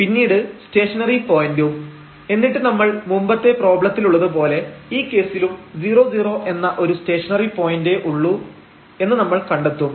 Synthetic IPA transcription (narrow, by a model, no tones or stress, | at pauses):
pinːiːɽɨste̞ːʂɐnɐripo̞ːjindum | enːiʈːɨnɐmːɐɭmumbɐt̪ːe̞pro̞ːbɭɐt̪ːiluɭːɐðɨp̬o̞ːle̞iːkːe̞ːsilumd͡ʑiːro̞ːd͡ʑiːro̞ːʔe̞nːɐʔo̞ɾuste̞ːʂɐnɐripo̞ːjindeʔuɭːu | e̞nːɨnɐmːɐɭkɐɳɖet̪ːum